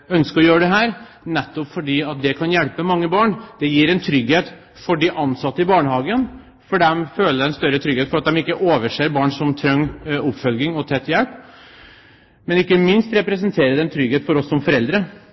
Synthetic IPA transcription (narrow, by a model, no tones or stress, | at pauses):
œnskəɾɔjøːɾəɖ̪ɛɦæːɾ | nɛt̪ːɔpfɔɖiːɑt̪̚d̪ɛkʰɑnjɛlpəmɑŋːəbɑːɳd̪̥ɛjiːɾɛnt̪ʰɾʏɡheːt̪ | fɔɖiʔɑnsɑt̪ːəɪbɑːɳəhɑːɡən | fɔɖɛmføːləɾɛnst̪œɾːət̪ʰɾʏɡheːt̪fɔɾɑt̪̚d̪ɛmɪkːəʔoːʋəʂeːɾbɑːɳsɔmt̪ʰɾœŋːʊpːfœlɡɪŋɔt̪ʰɛt̪ːjɛlp | mɛnɪkːəmɪnst̪ɾɛpɾɛsənt̪ʰeːɾəd̪ɛɛnt̪ʰɾʏɡheːt̪fɔɾɔsːɔmfɔɾɛld̪ɾə